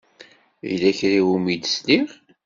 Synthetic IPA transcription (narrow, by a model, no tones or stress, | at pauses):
jlæçɾiwumid̪sliʁ